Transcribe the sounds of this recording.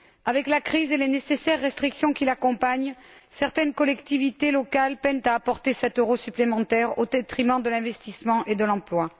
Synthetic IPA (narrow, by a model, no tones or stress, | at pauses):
avɛklakχizelenesesɛʁːɛst̪χiksjɔ̃kilakɔ̃paɲsɛʁt̪ɛnkɔlɛkt̪ivit̪elɔkalpɛnt̪aːpɔʁt̪esɛt̪øʁosyplemɑ̃t̪ɛʁod̪et̪χimɑ̃d̪əlɛ̃vɛst̪ismɑ̃ʔed̪əlɑ̃plwa